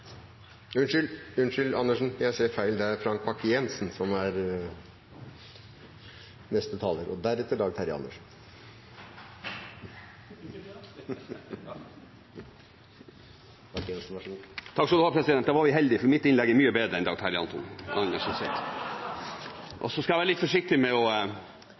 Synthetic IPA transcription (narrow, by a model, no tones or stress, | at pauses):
ʉnʃʏlʉnʂʏlɑnːəʂn̩jæɪseːɾfæɪld̪ɛæɾfɾɑŋkpɑkːəjɛnsn̩sɔmæɾ | nɛst̪ət̪ʰɑːləɾɔd̪æɾɛt̪ːəɖ̪ɑːɡt̪ʰæɾɪɑ̰nːəʂn̩ | ɑkɛnsn̩ʋɑʂnt̪ʰɑkːsɔd̪ʉhɑːpʰɾɛsɪd̪ɛnt̪̚d̪ɑːʋɑɾʋɪɦɛld̪ɪfɔɾmɪt̪ːɪnlɛɡɛɾmyːəbeːd̪ɾəɛnd̪ɑːɡ̚t̪ʰæɾɪɑ̰nt̪ɔnɑŋəʂnsɛt̪ | ʔɔ̰sɔskɑjæʋæːɾəlɪt̪fɔʂɪk̚t̪ɪmɛɔ